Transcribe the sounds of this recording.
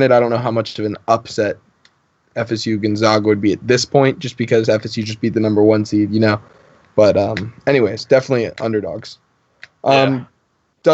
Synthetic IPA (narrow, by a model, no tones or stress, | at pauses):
nɨɾaɪɾõʊ̃nːoʊɦaʊmʌt͡ʃʌvɨ̃nʌpsɛɾ | ɛfɛsjʉɡɨ̃nzɑɡwɨd̚biɨt̪̚ðɪspʰɔ̃ɪ̃ntd̥ʒ̥ʌsb̥ɨkʰʌzɛfɛsjʉd͡ʒʌsb̥it̪̚ðɨnʌ̃mbə˞wʌ̃nsidjɨnoʊ | b̥ʌɾʌ̃mɛñiweɪz̥d̥ɛfənətˡliʔʌ̰̃ndə˞dɔ̰ɡz̥ | ʔʌ̃m | d̥ʌ